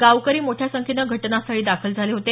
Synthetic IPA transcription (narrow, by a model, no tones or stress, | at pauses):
ɡaʋkəɾiːmoʈʰjasəŋkʰinəɡʱəʈnasaɽiːd̪akʰəld͡zʱaleɦot̪e